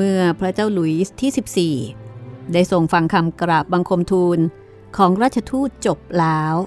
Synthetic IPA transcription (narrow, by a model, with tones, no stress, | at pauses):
mɯ˥˩ɐpʰɾa˦˥t͡ɕaː˥˩wlu˩˦jt̪ʰiː˥˩si˨˩p̚siː˨˩da˥˩jso˨˩ŋfa˧ŋkʰa˧mkɾa˨˩p̚ba˧ŋkʰo˧mt̪ʰuː˧n | kʰɔː˩˦ŋɾaː˥˩t̪̚t͡ɕʰa˧t̪ʰuː˥˩t̪̚t͡ɕo˨˩p̚laː˦˥w